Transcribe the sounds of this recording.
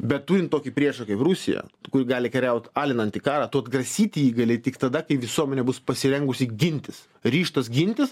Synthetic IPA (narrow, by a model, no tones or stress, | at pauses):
bʲɛt̪t̪uːɾʲɪnt̪toːkʲipʲɾʲiɛʃɐkɐɪprʊsʲɪ̰jɛ̰kʊɾʲɡɑːlʲɪkʲɛɾʲɛʊt̪ʲɑːlʲɪnɐnt̪ʲikɑːɾɑːt̪ut̪ɡrɐsʲiːt̪ʲiiːɡɐlʲeɪt̪ʲɪkt̪ɐd̪ɐkɐɪʋʲɪsuɔmʲɛnʲɛːbʊspɐsʲɪɾʲɛŋɡʊsʲɪɡʲɪnʲt̪ʲɪs | ɾʲiːʃt̪ɐs̬ɡʲɪnʲt̪ʲɪs